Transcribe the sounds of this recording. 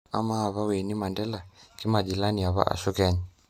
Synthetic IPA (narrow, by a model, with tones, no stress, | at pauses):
a˦ma˦a˨βa˦wɛ˨ni˦ma˨ndɛ˦la˨ki˦ma˨d͡ʒi˨la˦ni˨a˨βa̰˦ʔa̰˨su˦kɛ˦ɲi